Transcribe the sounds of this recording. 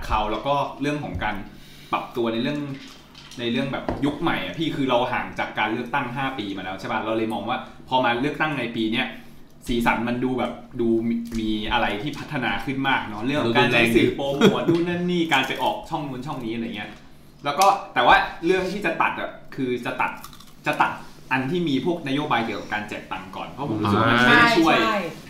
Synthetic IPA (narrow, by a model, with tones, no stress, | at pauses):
kʰa˧˩wlɛː˦˥wkɔː˥˩ɾɯ˥˩əŋkʰɔː˩˦ŋkaː˧n | pla̰˨˩p̚t̪u˧ɐna˧jɾɯ˥˩əŋ | na˧jɾɯ˥˩əŋbɛː˨˩p̚ju˦˥k̚ma˨˩jʔa˨˩pʰiː˥˩kʰɯː˧ɾa˧wɦaː˩˦ŋt͡ɕaː˨˩kːaː˧nlɯ˥˩ək̚t̪a˥˩ŋɦaː˥˩piː˧maː˧lɛː˦˥t͡ɕʰa˥˩pʰa˦˥˩ɾa˧wlɤː˧jmɔː˧ŋwaː˥˩ | pʰɔː˧maː˧lɯ˥˩ək̚t̪a˥˩ŋna˧jpiː˧ni˦˥˩ɐ | siː˩˦sa̰˩˦nma˧nduː˧bɛː˨˩p̚duː˧miː˧ʔa˧ɾa˧jt̪ʰiː˥˩pʰa˦˥t̪ʰːa˧naː˧kʰɯ˥˩nmaː˥˩k̚nɔ˦˥ɾɯ˥˩ŋʰkʰːɔ˧kːnɛː˧˩siː˨˦poː˧m˧˥˧duː˥˩na˥˩nːiː˥˩kaː˧npa˧jʔɔː˨˩k̚t͡ɕʰɔ˥˩ŋnu˧ənt͡ɕʰɔ˥˩ŋniː˦˥ʔŋi˦˥ɐ | lɛː˦˥wkɔː˥˩t̪ɛː˨˩waː˥˩ɾɯ˥˩ək̚t̪ʰiː˥˩t͡ɕa˨˩t̪a̰˨˩t̪̚ʔa˨˩kʰɯː˧t͡ɕa˨˩t̪a̰˨˩t̪̚ | t͡ɕa˨˩t̪a̰˨˩t̪̚ | ʔa˧nt̪ʰiː˥˩miː˧pʰu˥˩ək̚na˦˥joː˧baː˧jki˨˩˦ka˨˩pkaː˧nt͡ɕɛ̰ː˨˩k̚t̪a˨˩ŋkɔ̰ː˨˩npʰɔ˦˥pʰo˩˦u˦˧˥sa˥ma˧mma˥˩a˥˩t͡ɕʰu˥˩əj